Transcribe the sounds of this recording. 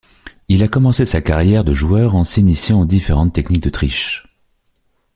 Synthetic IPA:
ilakɔmɑ̃sesakaʁjɛʁd̪əʒuœʁɑ̃sinisjɑ̃d̪ifeʁɑ̃t̪ːɛknik̚d̪ət̪χiʃ

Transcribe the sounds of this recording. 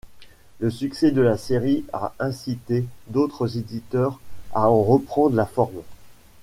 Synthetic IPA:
ləsyksɛd̪əlaseʁia̰ɛ̃sit̪ed̪ot̪χəzed̪it̪œʁa̰ɑ̃ʁəpχɑ̃d̪ʁlafɔʁm

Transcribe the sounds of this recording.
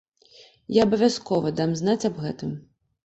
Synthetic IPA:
jaɐbɐvʲaskɔvɐd̪amzn̪at͡sʲabɣɛt̪ɨm

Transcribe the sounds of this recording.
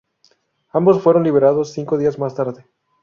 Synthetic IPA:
ambo̞sfwe̞ɾo̞nliβe̞ɾaðosːiŋko̞ðiazmast̪aɾðe

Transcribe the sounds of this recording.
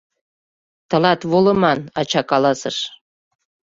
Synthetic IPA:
t̪ɤ̆lɑt̪βolɤ̆mɑnɑ̰t͡ɕɑkɑlɑsəʃ

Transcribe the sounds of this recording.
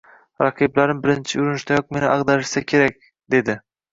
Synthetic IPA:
ɾɑqʰiblaɾɪmbɪɾɪnt͡ʃʰɪʊɾʊnɪʃt̪ajɒq̚me̞nɪʔɑʁd̪aɾɪʃsakʲʰe̞ɾak̚ʲ | d̪e̞d̪ɪ

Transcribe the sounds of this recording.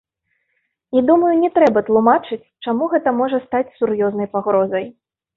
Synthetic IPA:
id̪umɐjunʲɛt̪ɾɛbɐt̪lˠumat͡ʂɨt͡sʲt͡ʂamuɣɛt̪ɐmɔʐɐst̪at͡sʲsurjɔznɐjpaɣɾɔzɐj

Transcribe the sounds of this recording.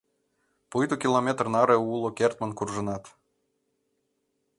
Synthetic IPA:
pɯjt̪ukʲilˠomʲet̪rnɑɾeulˠokʲert̪mənkurʒɤ̆nɑt̪

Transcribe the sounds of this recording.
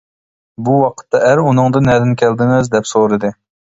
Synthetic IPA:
buwɑqʰə̥t̪ʰːɑæɾunɨŋd̪ɨnɛd̪ɪnkʲʰɛld̪ɪŋɪzd̪ɛpsoɾɨd̪ɨ

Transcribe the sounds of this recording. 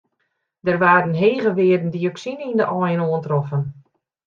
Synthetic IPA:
dərʋaːɾənɦeːɣəʋɪədən̩dioksinindəʔɔjənoəntrɔfən

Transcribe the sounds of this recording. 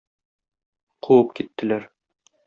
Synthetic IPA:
qʰuwɤpkit̪ːɘ̆læɾ

